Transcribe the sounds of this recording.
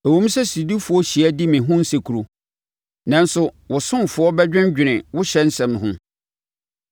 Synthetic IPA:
æ˨wõ˦m˦sɛ˦si˨di˦fʊ˨ɔ˦ɕi˨æ˦di˦mɪ̃˨ɦʊ̃˦n̩˦se˨kʰu˨ɾu˨ | nã˨n˦sʊ˦wʊ˨sʊ̃˦nfʊ˨ɔ˦bɛ˦d͡ʑᶣɪ̃˦nd͡ʑᶣɪ˨nɪ̃˨wʊ˦ɕɛ˦n̩˦sɛ̃˨mɦʊ̃˦

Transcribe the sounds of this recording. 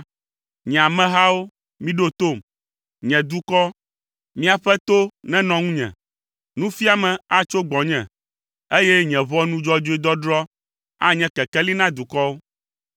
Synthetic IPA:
ɲɛ̃˨a˨mɛ̃˦ɦa˦wo˦ | mĩ˦ɖo˦t̪o˦˨m | ɲɛ̃˨d̪u˦kɔ˦ | mĩ˦a˨ɸɛ˦t̪o˦nɛ̃˦nɔ̃˨ŋũ˦ɲɛ̰̃˨ | nũ˦fi˦a˨mɛ̃˨a˦t͡ʃo˦ɡ͡bɔ̃˨ɲɛ̰̃˨ | e˦jɛ˦ɲɛ̃˨vɔ˦nũ˦d͡ʒɔ˦d͡ʒo˦i˦d̪ɔ˦ɖɾɔ˦ | a˦ɲɛ̃˨˦kɛ˨kɛ˦li˦nã˦d̪u˨kɔ˦wo˦

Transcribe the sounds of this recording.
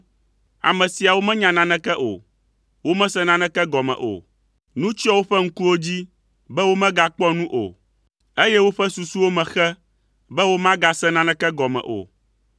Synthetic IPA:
a̰˨mɛ̃˨si˨a˨wo˦mɛ̃˦ɲã˨nã˦nɛ̃˦kɛ˦ʔo̰˨ | wo˦mɛ̃˦sɛ˦nã˦nɛ̃˦kɛ˦ɡɔ˨mɛ̰̃˨ʔo̰˨ | nũ˦t͡ɕi˦ɔ˦wo˦ɸɛ˦ŋ̩˦ku˦wo˦d͡ʑi˦ | bɛ˦wo˦mɛ̃˦ɡa˦k͡pɔ˦nũ˦ʔo̰˨ | e˦jɛ˦wo˦ɸɛ˦su˨su˦wo˦mɛ̃˨xɛ˦ | bɛ˦wo˦mã˦ɡa˦sɛ˦nã˦nɛ̃˦kɛ˦ɡɔ˨mɛ̰̃˨ʔo̰˨

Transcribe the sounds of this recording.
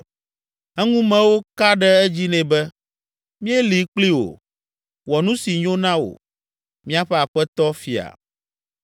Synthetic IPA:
ɛ˦ŋũ˦mɛ̃˨wo˦ka˦ɖɛ˦ɛ˦d͡ʑi˦nɛ̃˨bɛ˦ | mĩ˦ɛ˦li˨k͡pli˦wo̰˨ | wɔ˨nũ˦si˨ɲõ˦nã˦wo̰˨ | mĩ˦a˦ɸɛ˦a˨ɸɛ˦t̪ɔ˦fi˨a̰˨

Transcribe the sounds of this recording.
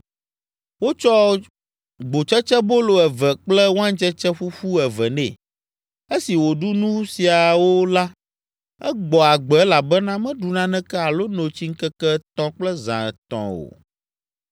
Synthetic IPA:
wo˦t͡ʃɔ˦ | ɡ͡bo˨t͡ʃɛ˦t͡ʃɛ˦bo˦lo˨ɛ˨vɛ˨k͡plɛ˦wo˦ã˦n˦t͡ʃɛ˦t͡ʃɛ˦ɸu˦ɸu˦ɛ˨vɛ˨nɛ̰̃˨ | e˦si˨wo˨ɖu˦nũ˦si˨a˨wo˦la˦ | ɛ˦ɡ͡bɔ˨a˨ɡ͡bɛ˨ɛ˦la˨bɛ˦nã˦mɛ̃˦ɖu˨nã˦nɛ̃˦kɛ˦a˨lo˦nõ˨t͡ɕi˦ŋ̩˦kɛ˦kɛ˦t̪ɔ̃˦k͡plɛ˦zã̰˨ɛ˨t̪ɔ̰̃˨o̰˨

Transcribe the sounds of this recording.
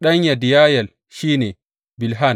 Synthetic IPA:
ɗɐ˦ɲja˨di˨jaː˦jɐ˨l | ʃiː˦neː˨ | bɪ˨lɦa˦˨n

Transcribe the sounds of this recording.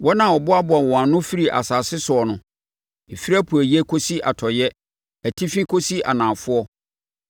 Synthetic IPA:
wʔɔ˦nã˨ɔ˨bʊ˦a˦bʊ˨a˨wɔ̃˨a˨nʊ̃˦fi˦ɾi˨ʔa̰˨saː˨sɪ˦sʊ˨ɔ˨nʊ̃˦ | e˨fi˦ɾa˦pʰu˨æ˨jɛ˦kʰo˦si˦ʔa̰˨tʰɔ˨jɛ˦ | æ˨tʰi˦fĩ˦kʰo˦si˦a̰˨nãː˨fʊ˦ɔ˦

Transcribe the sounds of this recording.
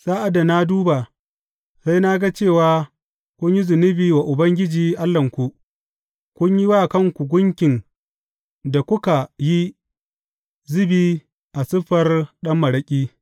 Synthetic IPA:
saː˦ʔa˨da˨na˦duː˦ba˨ | sa˦jna˦ɡa˦t͡ʃeː˦˨waː˨ | kʷʊ˦ɲji˦zʊ˨nɪ˦biː˨wa˨ʔʊ˨bɐ˦ŋɡʲɪ˦d͡ʒiː˨ʔa˦lːɐ˨ŋkʷu˨ʔ | kʷʊ˦ɲji˦waː˦˨kɐ˦˨ŋkʷu˨ɡʷʊ˦ŋkʲɪ˨n | da˨kʷʊ˦ka˨ji˦ | zʊ˦biː˦ | ʔa˨sɪ˦ɸɐ˨rɗɐ˦mːɐ˨ɽɐ˦kʲʼiː˦

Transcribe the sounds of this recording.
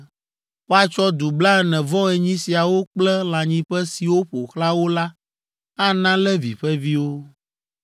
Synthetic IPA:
wo˦a˨t͡ʃɔ˦d̪u˨bla˦ɛ˦nɛ̃˨vɔ̃˦ɛ˨ɲĩ˦si˨a˨wo˦k͡plɛ˦lã˨ɲĩ˦ɸɛ˦si˨wo˦ɸo˨xla˦wo˦la˦ | a˦nã˦lɛ˦vi˨ɸɛ˦vi˦wo˦

